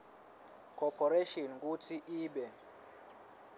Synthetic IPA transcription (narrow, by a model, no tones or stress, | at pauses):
kʰɔpʰɔɾeʃɔnk̬utʰiʔiːɓɛ